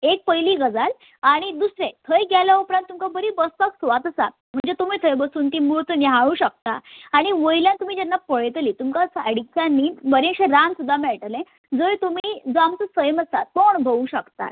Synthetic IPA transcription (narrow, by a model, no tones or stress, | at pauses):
ek̚pəjliːɡəd͡zal | aɽ̃id̪usɾẽt̪ʰəjɡʱjaljaupɾãnt̪ːumkabəɾibəspaksʋat̪əsa̰ | m̤əɳd͡zet̪um̤iːt̪ʰəjbəsuːnt̪iːmuɭt̪niɦaɭũɕək̚t̪a̰ːɽ̃iʋəjljãnt̪um̤iːd͡ʑɛnːapəɭt̪liːt̪umkasəɽikʰːjanːiːbəɾẽɕeɾansud̪ʱːameɭʈəlẽ | d͡zojt̪um̤iːd͡zoamt͡səsəjməsa̰t̪oɳbʱəʋũɕəkt̪a̰t̪